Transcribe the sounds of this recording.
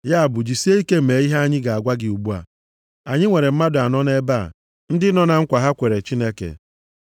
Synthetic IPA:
ja˦a˨bʊ˨d͡ʒi˨se˦i˦ke˦˨me˨i˦ɦa˦a˦ɲɪ˦ɡa˨a˨ɡʷa˦ɡɪ˨u˨bu˦a̰˨ | a˨ɲɪ˦ŋʷe˨ɾe˨m̩˦ma˦dʊ˨a˨nɔ˦ne˦ba˦˨ | n̩˦dɪ˦nɔ˦na˨ŋ̩˦kʷa˨ɦa˦kʷe˨ɾe˨t͡ʃi˦ne˦kḛ˨

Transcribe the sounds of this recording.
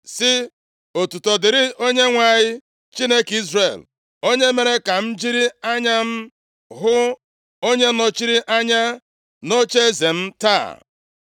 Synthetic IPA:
sɪ˦ | o˨tu˨tɔ˨dɪ˨ɾɪ˦o˦ɲe˦ŋʷa˨ɲɪ˦ | t͡ʃi˦ne˦ki˦zre˨l | o˦ɲe˦me˨ɾe˦ka˨m̩˦d͡ʒi˦ɾi˦a˦ɲa˦m̩˦ | ɦʊ˦ | o˦ɲe˦no˦t͡ʃi˦ɾi˦ʔa˦ɲa˦ | no˦t͡ʃe˦e˦ze˨m̩˦ta̰˦˨

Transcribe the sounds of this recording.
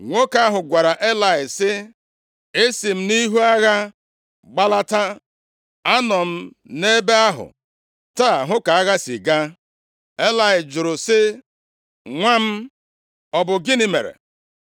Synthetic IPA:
ŋʷo˦ka˦ɦʊ˨ɡʷa˨ɾa˨ʔe˦la˨ɪ˨sɪ˦ | e˦si˨m̩˦ni˦ɦu˦a˦ɣa˦ | ɡ͡ba˦la˦ta˦ | a˦nɔ˨m̩˦ | ne˦be˦a˦ɦʊ̰˨ | ta˦˨ɦʊ˦ka˨a˦ɣa˦si˨ɡa˦ | e˦la˨ɪ˨d͡ʒʊ˨ɾʊ˨sɪ˦ | ŋʷa˦m̩˦ | ɔ˨bʊ˨ɡi˦ni˦mḛ˨ɾḛ˨

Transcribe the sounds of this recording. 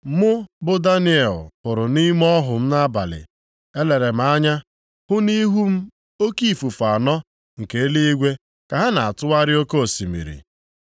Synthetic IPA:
mʊ˦bʊ˦da˦ni˦e˨lpʊ˨ɾʊ˨ni˦m˦ɔ˦ɦʊ˨m̩˦na˦ba˨lɪ̰˨ | e˦le˨ɾe˨m̩˨a˦ɲa˦ | hʊ˦ni˦ɦu˦m̩˦ | o˦ki˦˨fu˨fa˨nɔ˦ | ŋ̩˨ke˨e˦le˦i˦ɡʷe˦ | ka˨ɦa˦na˨a˨tʊ˦wa˦ɾɪ˦o˦ko˦o˨si˨mḭ˨ɾḭ˨

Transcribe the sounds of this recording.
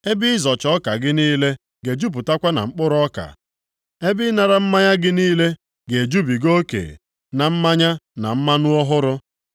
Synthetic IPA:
e˦bɪ˦ɪ˦zɔ˨t͡ʃɔ˦ka˨ɡɪ˦niː˦le˦ | ɡe˨d͡ʒu˦p̬ʊ˨ta˦kʷa˦na̰˨ŋ͡m̩˦k͡pʊ˦ɾʊ˦ɔ˦ka̰˨ | e˦bɪ˦na˨ɾa˦m̩˦ma˦ɲa˦ɡɪ˦niː˦le˦ | ɡe˨d͡ʒu˦bi˨ɡo˦kḛ˨ | na˨m̩˦ma˦ɲa˦na˨m̩˦ma˦nʊ˦ɔ˦ɦʊ˦ɾʊ˦

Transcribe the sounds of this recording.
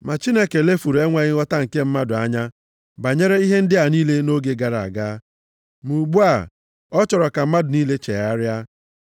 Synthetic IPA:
ma˨t͡ʃi˦ne˦ke˨le˦fu˨ɾe˦ŋʷa˨ɣɪ˦ɣɔ˦ta˦ŋ̩˨ke˦m̩˦ma˦dʊ˨a˦ɲa˦ | ba˨ɲe˦ɾe˦i˦ɦe˦n̩˦dɪ˦a˨niː˦le˦no˦ɡe˦ɡa˨ɾa̰˨ɡa˦ | mu˨ɡ͡bu˦a˨ | ɔ˦t͡ʃɔ˨ɾɔ˨ka˨m̩˦ma˦dʊ˨niː˦le˦t͡ʃe˨a˦ɾja˦

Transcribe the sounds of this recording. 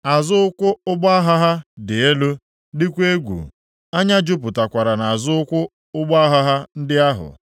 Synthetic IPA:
a˨zʊ˦ʊ˦kʷʊ˦ʊ˦ɡ͡ba˦a˦ɦa˦ɦa˦dɪ˨e˦lo˦ | dɪ˦kʷe˦ɡʷṵ˨ | a˦ɲa˦d͡ʒʊ˦p̬ʊ˨ta˨kʷa˨ɾa˨na˨a˨zʊ˦ʊ˦kʷʊ˦ | ʊ˦ɡ͡ba˦ɦa˦ɦa˦n̩˦dɪ˦a˦ɦʊ̰˨

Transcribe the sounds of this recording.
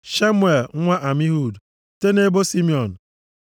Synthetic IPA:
ʃa˦mwe˨lŋ˦ŋʷa˦ʔa˨mi˦ɦu˦˨d | te˦ne˦bo˦si˦mi˦˨ɔ˨n̩˨

